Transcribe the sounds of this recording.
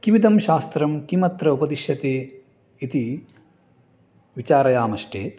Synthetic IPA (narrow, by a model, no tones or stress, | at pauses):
kiʋid̪ʱɐmʃaːst̪ɾɐmkimɐt̪ɾɐupɐd̪iʃjɐt̪eː | it̪i | ʋit͡ʃaːɾɐjaːmɐʃʈeːt̪